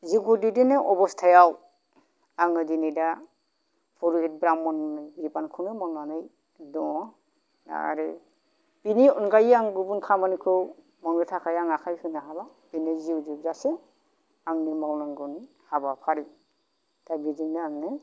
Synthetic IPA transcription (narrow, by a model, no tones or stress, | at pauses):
ziɡudidinɯʔɔbɔstʰajaw | aŋɯdinida | pʰɔɾuhet̚bɾamːɔnɯbibankʰɯnɯmɔŋlanɯj | dɔɔ | na̰a̰ɾɯ | piniɔnɡajaŋɡubunkʰamankʰɯw | mɔŋɾɯtʰakʰajaŋakʰajhʰɯnaɦala | binɯziwzizase | aŋnimawnaŋɡɯn | habapʰaɾɯ | d̥abidiŋdaaŋnɯ